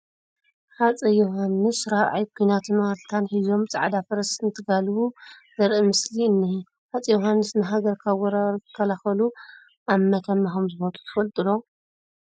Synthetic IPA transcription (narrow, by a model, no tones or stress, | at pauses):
ħat͡sʼɐjoɦanːɨsɾaʕa̰jkʰujnat̪ʰɨnmalt̪ʰanħizo̞mt͡sʼa̰ʕd̪afɐɾɐsɨnt̪ʰɨɡalwuzɐɾʔimɨsliɨnːɨhi | ħat͡sʼɐjoɦanːɨsnɨɦaɡɐɾkʰawɔɾatʰɨ̥kʰːɐlaxɐlu | ʔamːɐt̪ʰɐmːaxomzɨmɐt̪ʰu̥t̪ʰɨfɐlt̪ʼɨlo̞